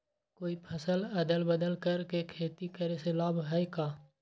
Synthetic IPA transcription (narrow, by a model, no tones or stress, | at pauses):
koːipʰəsələd̪əlbəd̪əlkəɾkekʰeːt̪ikəɾeselaːbɦɛekaː